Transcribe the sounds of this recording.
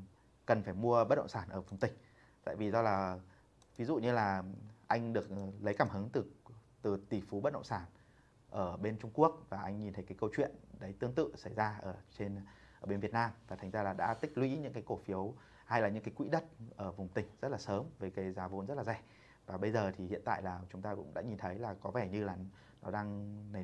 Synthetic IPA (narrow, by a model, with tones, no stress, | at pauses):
kə˨˩nfaː˧˩jmu˧əɓə˦˥t̚ɗə̰˧˨ŋ͡msaː˧˩nʔəː˧˩vʊ˨˩ŋ͡mt̪ï˨˩ŋ̟ | t̪a̰ː˧˨jvi˨˩zɔ˧laː˨˩ | vi˨˦zṵ˧˨ɲɨ˧laː˨˩ʔa˧jŋ̟ɗɨ˨˩ək̚lə˨˦jkaː˧˩mhɨ˨˦ŋt̪ɨ˨˩ | t̪ɨ˨˩t̪i˨˩fu˨˦ɓə˦˥t̚ɗə̰˧˨ŋ͡msaː˧˩n | ʔəː˧˩ɓe˧nt͡ɕʊ˧ŋ͡mku˦˥ək̚vaː˨˩ʔa˧jŋ̟ɲi˨˩nt̪ʰə˨˦jkaː˨˦jkə˧wt͡ɕwḭ˧˨ənɗə˨˦jt̪ɨ˧əŋt̪ɨ̰˧˨sa˧˩jzaː˧ʔəː˧˩t͡ɕe˧n | ʔəː˧˩ɓe˧nvi˨˩ət̚naː˧mvaː˨˩t̪ʰa˨˩jŋ̟zaː˧laː˨˩ɗa̰ː˧˥t̪ï˥k̟̚lwḭ˧˥ɲɨ̰˧˥ŋkaː˨˦ko˧˩fi˨˦əw | ha˧jlaː˨˩ɲɨ̰˧˥ŋkaː˨˦jkwḭ˧˥ɗə˦˥t̚ʔəː˧˩vʊ˨˩ŋ͡mt̪ï˨˩ŋ̟zə˦˥t̚laː˨˩səː˨˦mveː˨˩kaː˨˦jzaː˨˦vo̰˨˧˥nzə˦˥t̚laː˨˩za˧˩j̟ | vaː˨˩ɓə˧jzəː˨˩t̪ʰi˨˩hḭ˧˨ənt̪a̰ː˧˨jlaː˨˩t͡ɕʊ˨˦ŋ͡mt̪aː˧kʊ̰˧˥ŋ͡mɗa̰ː˧˥ɲi˨˩nt̪ʰə˨˦jlaː˨˩kɔ˨˦vɛ˧˩ɲɨ˧laː˨˩ | nɔ˨˦ɗaː˧ŋn˨˩